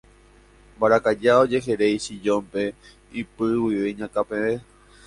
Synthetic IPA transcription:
mbaɾakad͡ʒao̞d͡ʒe̞ɦeɾejʃid͡ʒõmpe̞ | ipɨwiʋeɲãkapẽe

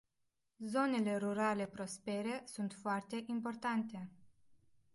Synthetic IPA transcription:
zo̞ne̞le̞ɾuɾale̞pɾo̞spe̞ɾe̞sunt̪foart̪e̞ʔimpo̞rt̪ant̪e̞

